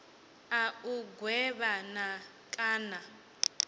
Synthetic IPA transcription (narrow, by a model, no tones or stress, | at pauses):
auɡwɛβana | kʼaːna